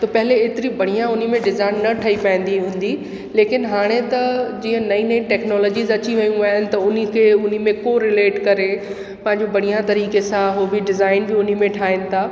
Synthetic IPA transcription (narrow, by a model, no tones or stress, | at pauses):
t̪ɐpɐɦɪleeːt̪ɪɾibʱɐɽ̤̃ijãʊnimẽɖɪzaːɪnːɐʈʰɐipaɪ̃n̆d̪iɦũːn̆d̪i | leːkɪnɦaːɽ̃et̪ɐd͡ʑiːə̃nɐĩnɐĩʈɛːknɔːlɔːd͡ʑiːzɐt͡ɕiʋɐjũaːɦɪnɪ̆t̪ɐʊnĭkʰeʊn̤imẽkoɾɪleːʈkɐɾe | pɐ̃ɦɪ̃ɲd͡ʑobɐɽ̤̃ijãt̪ɐɾiːkesãɦoːbiɖɪzaːɪnbɪʊn̤imẽʈʰaːɦɪnɪ̆t̪ʰaː